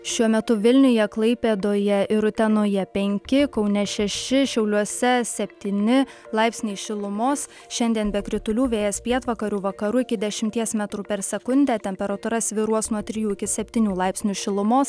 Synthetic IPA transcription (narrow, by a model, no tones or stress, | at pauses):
ʃʲuɔmʲɛt̪ʊʋʲɪlʲnʲʊjɛklˠɐɪpʲeːd̪oːjɛʔɪɾʊt̪ʲɛnoːjɛpʲɛŋʲkʲɪkɒʊnʲɛʃʲɛʃʲɪʃʲɛʊlʲuɔsʲɛsʲɛpʲt̪ʲiːnʲɪ | lˠɐɪpʲsʲnʲiːʃʲɪlˠʊmoːs | ʃʲɛnʲd̪ʲiɛnbʲɛkɾʲɪt̪ʊlʲuːʋʲeːjɛspʲiɛt̪ʋɐkɐɾʲuːʋɐkɐɾuːɪkʲɪd̪ʲɛʃʲɪmʲt̪ʲiɛsmʲɛt̪ɾuːpʲɛɾsʲɛkʊnʲd̪ʲæːt̪ʲɛmʲpʲɛɾɐt̪ʊɾɐsʋʲɪɾuɔsnuɔt̪ʲɾʲɪjuːɪkʲɪsʲɛpʲt̪ʲiːnʲuːlˠɐɪpʲsʲnʲuːʃʲɪlˠʊmoːs